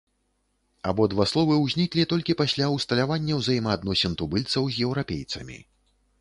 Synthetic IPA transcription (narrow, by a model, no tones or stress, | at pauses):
abɔd̪vaslˠɔvɨwzʲnʲiklʲit̪ɔlʲkʲipasʲlʲawst̪ɐlʲavanʲːɐwzajmɐːd̪nɔsʲɛnt̪ubɨlʲt̪sɐwzʲjɛwɾapʲejt̪sɐ̰mʲḭ